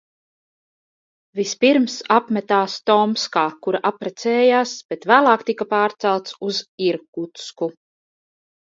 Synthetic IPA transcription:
vispiɾmsapmʲɛt̪aːst̪ɔmskaːkuɾaʔapɾɛt̪sɛːjaːsb̥et̪væːlˠɑːkt̪ikapaːɾt̪sælˠt̪suziɾkut̪sku

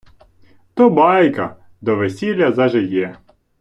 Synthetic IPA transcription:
t̪ɔbɑjkɐ | d̪ɔʋesʲilʲːɐzɐʒɪjɛ

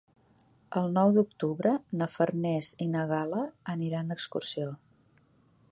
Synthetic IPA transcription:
əlˠnɔwd̪uk̚t̪uβɾənəfərnɛzinəɣaləːniɾand̪əkskursio

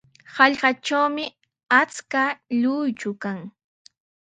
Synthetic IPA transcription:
hɑʎɢɑʈ͡ʂawmɪ | at͡skaʎʊjt͡ʃʊkaŋ

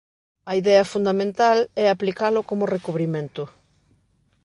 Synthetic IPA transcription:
ɐiðɛɐfund̪amẽnt̪alɛaplikalʊkomʊrekuβɾimẽnt̪ʊ

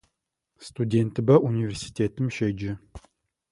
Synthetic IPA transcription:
st̪udʲent̪ɨbɐʔunʲivʲersi̥tʲʰet̪ɨmʃed͡ʒɪ

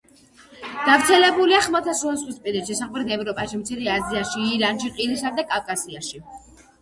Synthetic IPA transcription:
d̪̥avɾt̪sʰɛlɛbuliaχmat̪ʰasuasχwispʼiɾɛʃɛsaχmɾɛt̪ʰɛvɾɔpʼaʃimt̪sʰiɾiaziaʃiːɾanʃiqʼilisad̪akʼafkʼasiaʃi

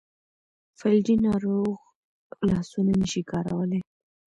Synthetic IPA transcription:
faldinɑɾoɣ | lɑsunanəʃikɑɾa̰wəle

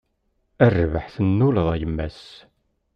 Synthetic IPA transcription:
ærːvəħθənːulðˤæjəmːæ̰s

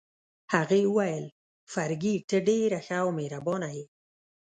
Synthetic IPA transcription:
haɣeuwajəl | faɾɡiʈəɖeɾaxaːwmeɾabɔnaɦe

